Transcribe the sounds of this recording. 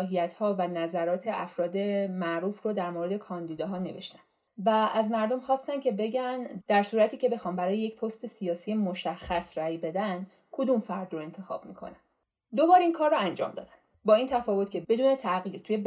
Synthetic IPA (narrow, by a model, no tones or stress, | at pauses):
ɦijæt̪ʰhɒːvænæzæɾɒːt̪ʰe̞ʔæfɾɒːd̪e̞mæʔɾuːfrod̪æɾmoɾe̞d̪e̞kʰɒːnd̪iːd̪ɒːɦɒːne̞ve̞ʃt̪æn | væʔæzmæɾd̪o̞mxɒːst̪æncʰe̞be̞ɟænd̪̥æɾsuːɾæt̪ʰiːce̞be̞xɒːnbæɾɒːjejecpʰost̪e̞sijɒːsiːje̞moʃæxːæsræːjbe̞d̪æn | kʰod̪umfæɾd̪ɾoe̞nt̪ʰe̞xɒ̰ːb̥mikʰo̞̰næn | d̪obɒːɾiːnkʰɒːɾːɔænd͡ʒɒ̰ːmd̪ɒ̰ːd̪æn | bɒːiːnt̪ʰæfɒːvo̞t̪cʰʲe̞be̞d̪uːne̞t̪ʰæɣiːɾt̪ʰujeb